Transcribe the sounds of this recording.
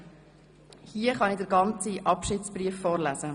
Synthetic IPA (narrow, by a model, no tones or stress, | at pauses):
hiəχɑnidəɾɡɑnt͡siʔɑpʃɪːtt͡sbɾiəfːɔːɾlæz̥ə